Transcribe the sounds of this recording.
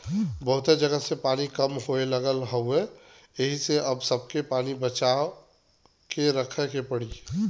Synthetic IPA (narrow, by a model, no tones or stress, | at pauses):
bəɦʊt̪ed͡ʒəɡəsepaːnikəmɦoeləɡəlɦəe | əɦiseʔɐbsəb̚kepaːnibət͡ʃa | keɾəkʰəkepəɽi